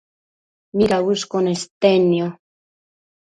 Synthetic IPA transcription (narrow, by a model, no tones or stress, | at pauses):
mikauskonest̪ːenːio